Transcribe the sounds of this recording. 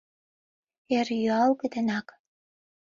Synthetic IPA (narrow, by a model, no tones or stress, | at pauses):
erjyɑlkɘ̆d̪ɘ̆nɑk